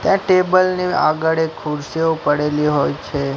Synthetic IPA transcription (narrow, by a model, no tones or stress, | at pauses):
t̪jãʈebəlnia̰ɡəɭekʰuɾʃiopəɽeliɦojt͡ʃʰe